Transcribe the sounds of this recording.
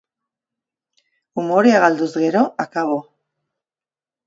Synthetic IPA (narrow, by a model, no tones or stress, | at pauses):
umoɾiaɣald̪uzɣeɾoakaβo